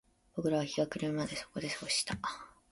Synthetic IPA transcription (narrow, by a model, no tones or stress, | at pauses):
b̥o̞kɯ̟ɾaβaçʲiɡakɯ̟ɾɯmad̪e̞soko̞d̪e̞soɕi̥t̪ʰa